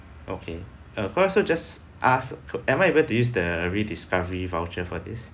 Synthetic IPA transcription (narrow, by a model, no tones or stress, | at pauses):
ʔo̰kʰe | akʰɔɔsod͡ʒas | ʔasɛ̃majebətujus̬dəɹidiskavəɹivawt͡ʃəfɔdis